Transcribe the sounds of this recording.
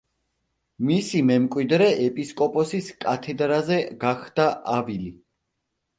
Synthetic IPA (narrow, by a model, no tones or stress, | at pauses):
misimɛmkʼwid̪ɾɛʔɛpʼiskʼɔpʼɔsiskʼat̪ʰɛd̪ɾazɛɡaχd̪̥aʔavili